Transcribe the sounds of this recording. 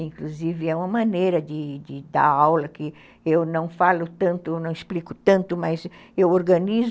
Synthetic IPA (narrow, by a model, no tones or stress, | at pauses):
ĩŋkluzivɪɛũmɐmɐ̃nejɾɐd͡ʒ̪ɪd͡ʒɪd̪a̰ɾawlɐkɪ | ewnɐ̃w̃falʊt̪ɐ̃nt̪ʊwnɐ̃w̃isplikʊ̥t̪ɐ̃nt̪ʊmɐzewoɾɡɐ̃niz